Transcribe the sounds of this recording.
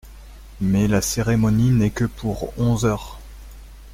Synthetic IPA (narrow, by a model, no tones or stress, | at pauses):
mɛlaseʁemɔninɛkəpʰuʁɔ̃zœːʁ